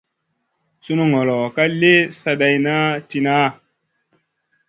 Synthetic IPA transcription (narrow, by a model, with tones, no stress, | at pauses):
su˦nu˦ŋɔ˨lɔ˨ka˦le˦sa˧ɗa˧jna˦ti˧na˦˨